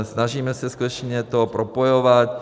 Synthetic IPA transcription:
snaʒiːmɛsɛskut̪ɛt͡ʃɲɛt̪opɾopojovat̪

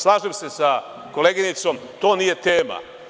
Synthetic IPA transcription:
slˠaːʒemse̞sa | ko̞leɡinit̪so̞mt̪o̞ːnije̞t̪eːma̰

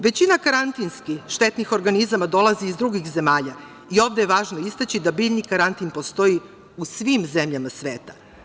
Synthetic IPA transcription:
ʋe̞t͡ɕinakaɾant̪inskixʃt̪e̞t̪nixo̞ɾɡanizamad̪o̞lˠaziːzd̪ɾuɡixze̞maːʎa | io̞ːvd̪ejeʋaːʒnoist̪at͡ɕid̪abiːʎnikaɾant̪inpo̞st̪o̞i | usʋimze̞mʎamasʋeːt̪ḁ

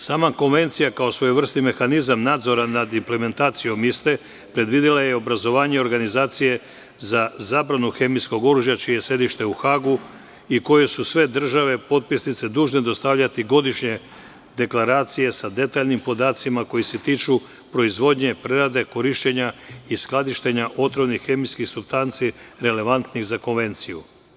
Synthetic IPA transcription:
saːmako̞nʋe̞nt̪sijakao̞sʋo̞jeʋr̩st̪ime̞xanizamnaːd̪zo̞ɾanad̪imple̞me̞nt̪aːt̪sijo̞mist̪e̞ | pɾe̞d̪ʋid̪ilajeo̞bɾazo̞ʋaːɲe̞o̞ɾɡanizaːt̪sije̞ | zazaːbɾanuxe̞misko̞ɡo̞ɾuʒjat͡ʃijejesje̞d̪iʃt̪e̞uxaːɡu | iko̞jesusʋe̞d̪r̩ʒaʋe̞po̞t̪̚pisnit̪se̞d̪uːʒned̪o̞st̪aʋʎat̪iɡo̞d̪iʃɲe̞ | d̪e̞klaɾaːt̪sije̞sad̪e̞t̪aːʎnimpo̞d̪aːt̪simako̞jiset̪iːt͡ʃu | pɾo̞izʋo̞d̪ɲe̞pɾeɾad̪e̞ko̞ɾiʃt͡ɕeɲaisklˠad̪iʃt̪eɲaʔo̞t̪ɾo̞bnixe̞mijskixsubst̪ant̪siɾe̞le̞ʋant̪niɣzako̞nʋe̞nt̪siju

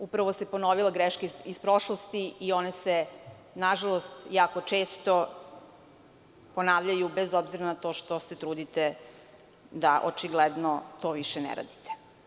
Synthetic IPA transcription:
upɾaʋose̞po̞noʋilaɡɾeʃkeispɾo̞ʃlost̪iio̞nese | naʒalˠost̪jaːko̞t͡ʃe̞ːst̪o | po̞naːʋʎajubezobziɾanat̪o̞ːʃt̪o̞set̪ɾuːd̪it̪e | d̪aʔot͡ʃiɡled̪not̪o̞ːʋiʃenḛɾa̰d̪it̪e̥

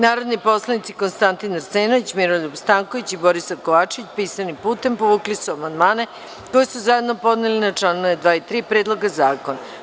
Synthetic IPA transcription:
naːɾo̞d̪nipo̞slˠanit̪siko̞nst̪ant̪inaɾseːnoʋit͡ɕmiɾolobst̪aŋko̞ʋit͡ɕibo̞ɾisako̞ʋaːt͡ʃeʋit͡ɕpiːsanipuːt̪e̞mpoʋuːklisuamand̪maːne | ko̞jsuzaje̞d̪no̞po̞d̪nelinat͡ʂlˠaːnujed̪ʋaːit̪ɾiːpɾed̪lˠo̞ɡazaːko̞na

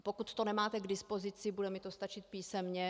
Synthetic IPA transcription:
pokut̪ːonɛmaːt̪ɛɡdɪspo̞zɪt͡sɪbudɛmɪt̪o̞st̪at͡ʃɪt̪̚piːsɛmɲɛ

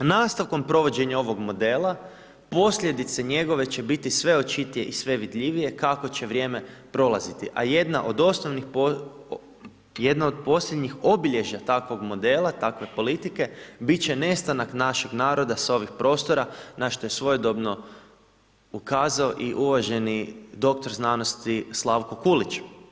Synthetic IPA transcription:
naːst̪aʋko̞mpɾo̞ʋo̞d͡ʑe̞ɲao̞ʋo̞ɡmo̞d̪e̞ːlˠa | po̞sʎʲe̞d̪it̪seɲe̞ɡo̞ʋe̞t͡ɕe̞bit̪isʋe̞o̞t͡ʃit̪ije̞ʔisʋe̞ʋid̪ʎʲiʋije̞kako̞t͡ɕe̞ʋɾʲje̞ːme̞pɾo̞lˠazit̪iʔa̰je̞d̪naʔo̞d̪o̞snoʋnixp | jed̪naod̪̚po̞slʎʲed̪ɲixo̞biʎe̞ʒat̪akʋo̞ɡmo̞d̪e̞ːlˠat̪akʋe̞po̞lit̪ike̞bit͡ɕe̞ne̞st̪anaknaʃe̞ɡnaːɾo̞d̪asao̞ʋixpɾo̞st̪o̞ɾanaʃt̪oje̞sʋo̞jod̪o̞bno̞ | ukaːzaoʔiʔuʋaʒe̞nid̪o̞k̚t̪o̞ɾznanost̪islˠaʋkokulit͡ʃ

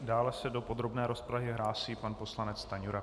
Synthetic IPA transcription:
daːlɛsɛdo̞po̞d̪ɾo̞bnɛːɾo̞spɾaɦɪɦɾaːsiːpanpo̞slanɛt͡st̪aɲuɾa

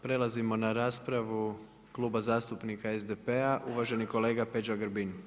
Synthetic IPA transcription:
pɾe̞lazimo̞naɾaːspɾaʋu | klˠuːbazaːst̪upnikaezd̪epeaʔuʋaʒe̞niko̞le̞ːɡape̞d͡ʒaɡɾbin

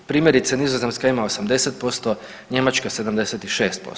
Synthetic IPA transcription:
pɾiːmʲjeɾit̪senizoze̞mskaimaosamd̪e̞set̪̚po̞st̪o | ɲe̞mat͡ʃkase̞d̪amd̪e̞set̪iʃe̞ːst̪̚po̰s

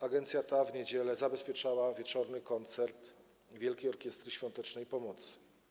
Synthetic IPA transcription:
aɡɛnt̪sʲjat̪avɲed͡ʑɛlɛzabɛspʲjɛt͡ʂawavʲjɛt͡ʂɔɾnɘkɔnt̪sɛɾt̪ | vʲjɛlkʲejɔɾkʲɛst̪ɾɘɕfʲjɔ̃nt̪ɛt͡ʂnɛjpɔmɔt̪sɘ̥

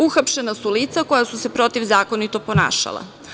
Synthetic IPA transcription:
uxapʃe̞nasuliːt̪sako̞jasuse̞pɾo̞t̪iʋzaːko̞nit̪o̞po̞na̰ːʃa̰lˠa̰

